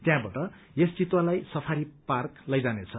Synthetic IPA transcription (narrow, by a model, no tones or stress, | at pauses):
t̪jãbaʈʌ | jest͡sit̪walajsʌpʰaɾiparklʌjd͡zanet͡sʰʌ